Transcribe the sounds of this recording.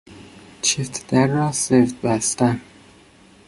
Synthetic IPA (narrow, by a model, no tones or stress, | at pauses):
t͡ʃʰift̪ʰd̪̥æɾːɒːsevd̪̚bæst̪æn